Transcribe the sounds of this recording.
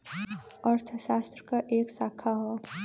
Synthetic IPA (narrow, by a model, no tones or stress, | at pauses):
əɾt̪ʰəʃaːst̪ɾəkaʔeːksaːkʰaɦɛ